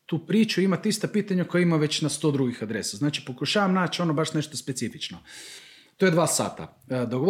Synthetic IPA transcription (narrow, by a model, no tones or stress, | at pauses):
t̪uːpɾiːt͡ʃuimat̪ist̪apiːt̪aɲakojaimaʋet͡ɕnast̪o̞ːd̪ɾuɡixad̪ɾe̞saznaːt͡ʃi̥po̞kuʃaːʋamnaːt͡ʃo̞nobaʃne̞ʃt̪o̞spetsifit͡ʃno | t̪ojed̪ʋaːsa̰ːt̪a̰ | d̪oɡo